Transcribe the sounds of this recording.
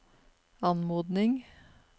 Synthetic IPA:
ɑnmuːd̪nɪŋ

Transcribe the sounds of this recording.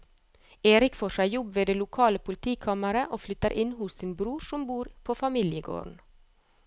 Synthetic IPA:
eːɾɪkfoːʃæɪjɔbʋeːd̪eːlʊkʰɑːləpʰʊlɪt̪ʰiːkʰɑməɾəʔoːflʏt̪əɾʔɪnhʊssiːnbɾuːɾsɔmbuːɾpʰoːfɑmiːljəɡo̰ːɾɳ̩

